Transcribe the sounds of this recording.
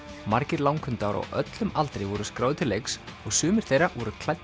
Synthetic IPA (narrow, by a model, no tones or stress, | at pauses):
maɾcɪɾlawŋkʰʏnt̪aɾɔ̰ɣʔœ̰t̪lʏmalt̪ɾejvɔɾʏskɾawðt̪ʰɪlːejksɔɣsʏːmɪɾ̥θejɾavɔɾʏkʰl̥aj̪